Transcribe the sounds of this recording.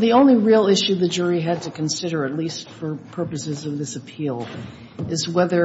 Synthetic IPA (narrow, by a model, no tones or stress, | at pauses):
ðiõʊ̃nliɹilˠɪʃʉðɨd͡ʒʊɹiɨd̚tʰɨkɨ̃n̩sɪɾə˞ɨtˡlistfə˞pʰɜ˞pɨsɨzʌvðɪsɨpʰilˠ | ɨzwɛðə˞